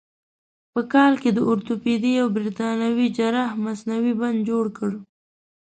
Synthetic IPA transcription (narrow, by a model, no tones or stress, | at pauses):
pəkɑlked̪əʊɾt̪uped̪iawbɾit̪ɑnawid͡ʒaɾɑhmasnawiband̪̚d͡ʒoɽkəɽ